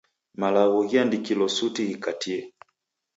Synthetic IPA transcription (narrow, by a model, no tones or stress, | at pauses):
malaɣɔɣiandikilɔsutiɣikatʰiɛ